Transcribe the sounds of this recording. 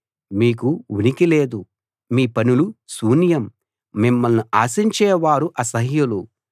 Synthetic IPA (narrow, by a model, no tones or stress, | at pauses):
miːkuʋunikile̞ːd̪u | miːpɐnulusuːnjɐmː | imːɐlnuaːsiɲt͡ʃɛːʋaːɾuʔɐsɐɦjulu